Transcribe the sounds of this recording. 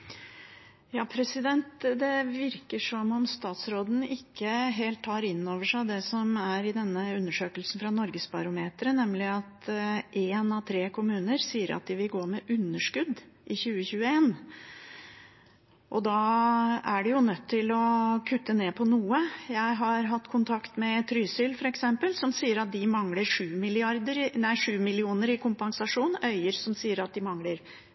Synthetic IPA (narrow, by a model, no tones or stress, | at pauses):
jɑːpʰɾɛsɪd̪ɛnt̪d̪ɛʋɪɾkəʂɔmɔmst̪ɑːt̪sɾoːd̪n̩ɪkːəɦeːlt̪ʰhɑːɾɪnːoːʋəʂæɪd̪ɛsɔmæɾɪd̪ɛnːəʉnːəʂøːkəlsn̩fɾɑnɔɾɡəsbɑɾʊmeːt̪ɾənɛmːlɪɑt̪ʔeːnɑʋt̪ʰɾeːkʰʊmʉːnəɾsiːəɾʔɑ̰t̪̚d̪ɪʋɪlɡoːmɛʔʉnːəʂkʉd̪ːʔɪçʉːəçʉːəeːn | ʔɔd̪ɑːæɖɛjʊnœt̪ʰːɪlɔkʰʉt̪ʰːəneːpʰɔnuːəjæɪɦɑɾɦɑt̪ːkʰʊnt̪ʰɑkt̪mɛt̪ʰɾyːsʏlfɔɾɛksɛmpəlsɔmsiːəɾɑt̪̚d̪ɪmɑŋləɾʂʉːmɪlɪɑɾd̪əɾɪnæɪʂʉːmɪlɪuːnəɾɪkʰʊmpɑŋsɑʂuːnœʏəɾsɔmsiːəɾɑt̪̚d̪ɪmɑŋləɾ